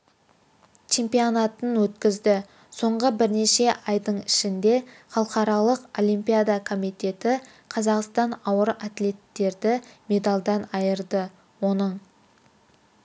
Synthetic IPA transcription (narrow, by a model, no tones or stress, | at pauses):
t͡ʃʰe̞mpijonat̪ənwɵt̪kʲɪzd̪ɪ | so̞ɴʁəbɪɾne̞ʃe̞ʔɑjd̪əɴɪʃɪnd̪e̞ | χɑlˠqɑɾɑlˠəqo̞lʲˠimpijad̪akʰo̞mijt̪e̞t̪ɪ | qʰɑzɑqst̪ɑnɑwəɾat̪le̞t̪ːe̞ɾd̪ɪme̞d̪alˠd̪ɑnɑjəɾd̪ə | wo̞nəɴ